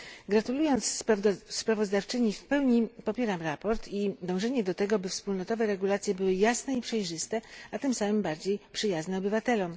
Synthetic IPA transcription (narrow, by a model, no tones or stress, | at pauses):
ɡɾat̪ulujɔnt̪sːpɾavɔzd̪aft͡ʂɘɲifpɛwɲipɔpʲjɛɾamɾapɔɾt̪ʰid̪ɔ̃w̃ʐɛɲɛd̪ɔt̪ɛɡɔbɘfspulnɔt̪ɔvɛɾɛɡulat̪sʲjɛbɘwɘjasnɛipʂɛjʐɘst̪ɛat̪ɘmsamɘmbaɾd͡ʑejpʂɘjaznɛɔbɘvat̪ɛlɔm